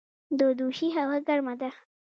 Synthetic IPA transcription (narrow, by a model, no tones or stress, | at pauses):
d̪od̪uʃiɦaɣaɡaɾmad̪a